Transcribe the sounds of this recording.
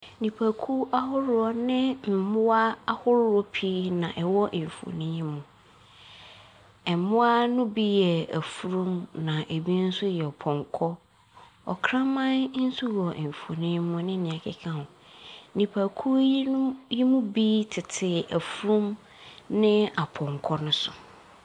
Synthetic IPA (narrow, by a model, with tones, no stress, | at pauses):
nĩ˨pʰa˨kʰu˦a˦hʊ˦ɾʊ˦ɔ˦nɪ̃˦m̩˨mʊ̃˦a˦a˦hʊ˦ɾʊ˦ɔ˦pʰi˦nã˨ʔɛ˨wɔ˦ʔfo̰˨nĩ˦mʊ̃˨ | ɛ˨mʊ̃˦a˦nʊ̃˦bi˦jɛ˨æ˨fu˨˦ɾũ˦mnã˨ʔe˨bi˦n̩˦sʊ˦jɛ˨ɔ˨pʰɔ̃˨ŋkʰɔ˦ | ɔ̰˨kʰɾã˦mã˦nn̩˦su˦wɔ˨ʔm˨fo˨nĩ˦ɲ˦mʊ̃˨nɪ̃˦nɪ̃˨ã˨kʰɪ˦kʰã˦hʊ̃˨˦ | nĩ˨pʰa˨kʰu˦ji˦mũ˦bi˦tʰɪ˨tʰɪ˨æ˨fu˦ɾũ˦m | nɪ̃˦a˨pʰɔ̃˨ŋkʰɔ˦nʊ̃˦sʊ˨